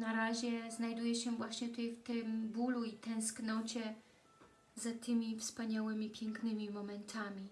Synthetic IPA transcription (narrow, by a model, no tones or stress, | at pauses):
naɾaʑɛznajd̪ujɛɕɛvwaɕɲɛt̪ujft̪ɪmbuluit̪ɛ̃w̃sknɔt͡ɕɛ | zat̪ɘmʲifspaɲawɘmʲipʲjɛŋknɘmʲimɔmɛnt̪ʰamʲi